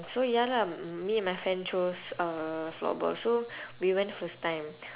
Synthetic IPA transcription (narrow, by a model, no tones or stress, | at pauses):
sojalamiɛ̃nmajfɹɛ̃nt͡ʃosəflɔ̰bɔ̰lsowiwɛ̃ntfəstãj̃m